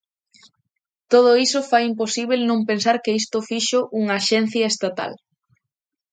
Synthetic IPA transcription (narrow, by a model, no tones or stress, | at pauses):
t̪oð̞ʊisʊfajimposiβ̞elnõmpensaɾkɪist̪ʊfiʃʊʔuŋaʃɛn̟θjɐest̪at̪a̰l